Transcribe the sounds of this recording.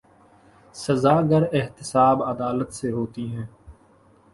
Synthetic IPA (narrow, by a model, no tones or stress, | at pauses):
səzaːɡəɾɪɦt̪ɪsaːbəd̪aːlət̪seɦoːt̪iːɦɛ̃ː